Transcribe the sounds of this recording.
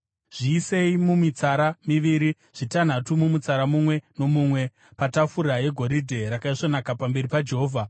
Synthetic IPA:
ʐ̥iːse̞imumit͡saɾamiʋiɾi | ʐ̥itan̤atumumut͡saɾamumwe̞no̞mumwe̞ | patafuraje̞ɡʱo̞ɾidʱe̞ɾakaiʂo̞nakapambe̞ɾipad͡ʒe̞ɦoːvʱa

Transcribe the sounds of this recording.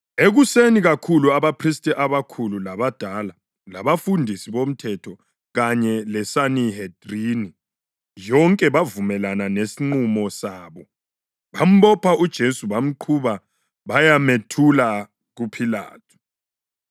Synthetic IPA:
eɣuseniɣakʰuluaβapʰristʼiʔaβakʰululaβad̥ʱala | laβafundʱisiβom̩tʰɛtʰɔ | ɣaɲɛlɛsanihed̥rini | jɔŋkʼɛβavumɛlananesiŋ͡ǃumɔsaːβɔ | βam̩βɔpʰaʔud̥ʒ̥ʱesuβam̩ǃʰuβa | βajametʰula | ɣupʰila̰ːtʰu̥

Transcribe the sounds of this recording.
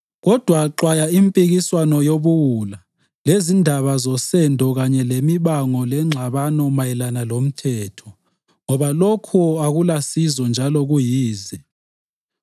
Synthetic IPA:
ɣɔd̥ʱwaǁwajaimpʼiɣiswanɔjoβuwula | lezindʱaβazɔsɛndʱɔɣaɲɛlemiβaŋɔlɛŋ͡ǁʱaβanɔmajɛlanalom̩tʰɛːtʰɔ̥ | ŋɔβalokʰuaɣulasizɔnd͡ʒʱalɔɣujiːzɛ

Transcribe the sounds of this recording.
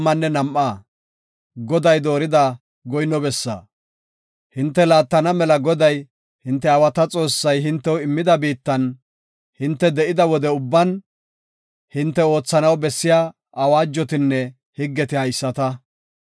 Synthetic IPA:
mːɐnːɛnɐmʔaː | ɡɔd̪ɐjd̪o̞ːɾɪd̪ɐ | ɡɔjnɔbɛsːa̰ː | hɪnt̪ːɛlaːt̪ːɐnɐmɛlɐɡɔd̪ɐj | hɪnt̪ːɛɐwɐt̪ɐt͡sʼo̞ːsːɐjɦɪnt̪ːɛwɪmːɪd̪ɐbiːt̪ːɐn | hɪnt̪ːɛd̪ɛʔɪd̪ɐwɔd̪ɛʊbːɐn | hɪnt̪ːɛo̞ːt͡sːɐnɐwbɛsːɪjaː | ɐwaːd͡ʒːɔt̪ɪnːɛ | hɪɡːɛt̪ɪhɐjsːɐt̪ɐ

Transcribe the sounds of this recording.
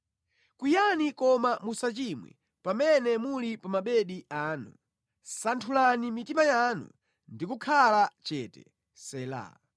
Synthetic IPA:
kwijanikɔmamusat͡ʃimwɛ̰ | pamɛnɛmulipamaɓɛɗiaːnṵ | santʰulanimitimajanṵ | ndikukʰalat͡ʃɛːtɛ̰ | sɛla̰

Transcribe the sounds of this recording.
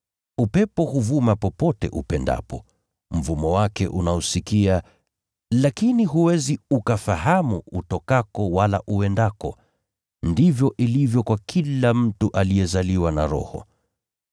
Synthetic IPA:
upɛpɔhuvumapɔpɔtɛ̰ʔṵpɛnda̰pɔ | m̩vumɔwakɛ̰ʔunausikia | lakiniɦuwɛziukafahamuutɔkakɔwala̰ʔuwɛndakɔ | ndivjɔʔilivjɔkwakʰilam̩tuʔalijɛzaliwana̰ɾɔ̰hɔ̰

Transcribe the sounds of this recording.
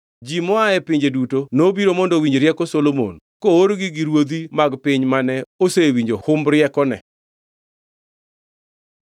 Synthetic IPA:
d͡ʒimɔaɛpɪɲd͡ʒedutonobiɾomɔndɔwiɲd͡ʒɾjɛkɔsolomo̰n | kooɾɡɪɡiɾwod̪imaɡpɪɲmanɛosewiɲd͡ʒohʊmbɾjɛkɔnɛ̰

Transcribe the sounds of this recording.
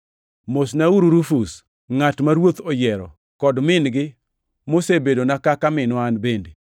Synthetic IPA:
mosnauɾuɾufus | ŋatmaɾwot̪ojɛɾɔ̰ | kɔdmɪnɡɪ | mosebedonakakamɪnoanbende

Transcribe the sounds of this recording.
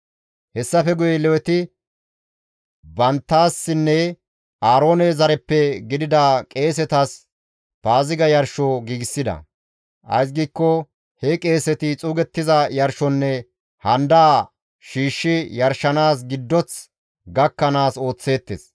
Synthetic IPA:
hɛsːɐfɛɡʊjɛlɛwɛt̪ɪ | bɐnt̪ːaːsːɪnːɛ | ʔaːɾo̞ːnɛzɐɾɛpːɛɡɪd̪ɪd̪aːkʼe̞ːs̬ɛt̪ɐs | b̥aːzɪɡɐjɐɾʃɔɡiːɡɪsːɪd̪ɐ̰ | ʔɐ̰js̬ɡiːkːɔ | hɛkʼe̞ːsɛt̪ɪt͡sʼuːɡɛt̪ːɪzɐjɐɾʃɔnːɛ | hɐnd̪aː | ʃiːʃːɪjɐɾʃːɐnaːs̬ɡɪd̪ːɔt͡s | ɡɐkːɐnaːso̞ːt͡sːe̞ːt̪ːḛs

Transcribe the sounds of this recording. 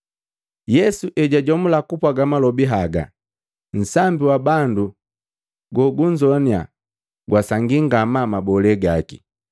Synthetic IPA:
jɛsuʔɛɟaɟɔmulakupwaɡamalɔbiɦaɡa̰ | n̩sambiwabandu | ɡɔɡuɲd͡ʒɔnia̰ | ɡwasaŋɡiŋɡamamabɔlɛɡakḭ

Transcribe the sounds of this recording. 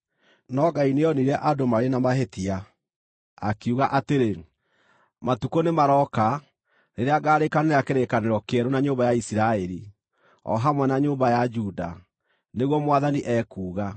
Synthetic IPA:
nɔɡaineɔniɾɛʔadomaɾenamaɦetia | akuɣaʔateɾe | matukonemaɾɔka | neɾeaɡaːɾekaneɾeakeɾekaneɾɔkeɛɾonaɲoːbajaisiɾaɛɾi | ɔ̰ɦamwɛnaɲoːmbajad͡ʒuda̰ | neɣwɔmwaðaniʔɛːkuːɣa

